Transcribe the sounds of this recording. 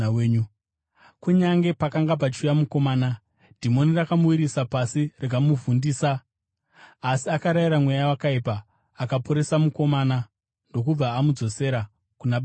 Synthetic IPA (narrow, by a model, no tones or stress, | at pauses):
eːɲu | kuɲaŋɡe̞pakaŋɡap̬at͡ʃujamuko̞maːna | d̥ʱimo̞nirakamuwiɾisapasirak̬amuvundiːsa | siakaɾaiɾamwejawakaipaː | kapo̞ɾe̞samuko̞mana | ndo̞k̬ub͡vaːmud͡zo̞se̞ɾa | kunaɓa